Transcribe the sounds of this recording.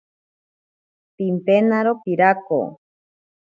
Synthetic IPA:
timpenaɾopiɾako̰

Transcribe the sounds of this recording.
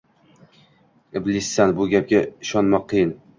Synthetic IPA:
ɪblisːænbʊɡʲæp̚ɡʲaɪʃɒnmɑqʰːɨjɪn

